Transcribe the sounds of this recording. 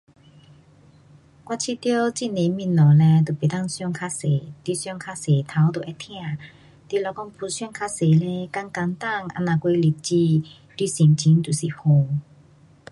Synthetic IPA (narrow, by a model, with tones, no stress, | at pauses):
kwa˧˨t͡ɕʰi˧˨t̪jo˧˦t͡ɕi˧˨ne˨mĩ˧˨nnɔ˨˩lɛ̃˧t̪o˨˩pe˨t̪a˥˧ŋsjɔ˥˧˨ŋkʰa˧˥se˨˦t̪wi˧sjɔ˥˧ŋkʰa˧˥se˨˩t̪ʰa˨˦wt̪o˨ʔɛ˧t̪ʰj̃ã˥˧˨ | t̪i˧˨lɔ˧kɔ˥˧ŋpʰu˧sɔ˥˧˨ŋkʰa˧se˨le˧˦ka˧ŋka˧ŋt̪a˥˧˨ŋʔa̰˧nã˨˩kwe˧li˨˩t̚t͡ɕi˧ | t̪wi˧si˨˩mt͡ɕʰi˨˦ŋt̪u˨˩si˨˩ho˧